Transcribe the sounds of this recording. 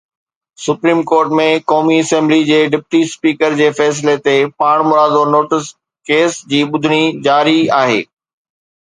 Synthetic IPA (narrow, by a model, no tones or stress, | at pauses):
sʊpɾiːmkoːɾʈmẽkɔːmiɐsɛ̃mblid͡ʑeːɖɪpʈispiːkəɾd͡ʑeːfɛːs̬ɪlet̪epaːɽ̃mʊɾaːd̪onoːʈɪs | keːsd͡ʑiːɓʊd̪ʱɪɽ̃id͡ʑaːɾiaːɦḛː